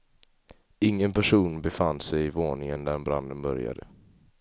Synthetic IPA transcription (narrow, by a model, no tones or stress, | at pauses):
ɪŋːənpʰæʂuːnbɛfand̪sɛjɪvoːɳɪŋənd̪æɾbɾa̰nd̪ənbœ̰ɾja̰d̪ə̰